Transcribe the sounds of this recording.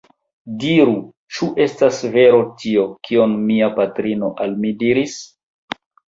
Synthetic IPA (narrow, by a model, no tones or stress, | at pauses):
diɾu | t͡ʃuʔe̞stasve̞ɾo̞tʰio̞kʰionmiapatɾino̞ʔalmidiɾis